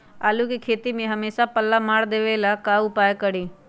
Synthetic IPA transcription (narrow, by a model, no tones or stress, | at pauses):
aːlukikʰeːt̪imẽɦɐmeːsapəlːamaːɽd̪eːʋelakaːʊpaːjkəɽiː